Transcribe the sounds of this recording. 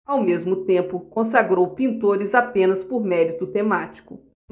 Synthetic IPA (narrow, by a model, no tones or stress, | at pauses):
awmezmʊt̪ẽpʊkõs̬aɡɾowpĩnt̪oɾɪzapẽnɐspoɾmɛɾit̪ʊt̪emat͡ʃi̥kʊ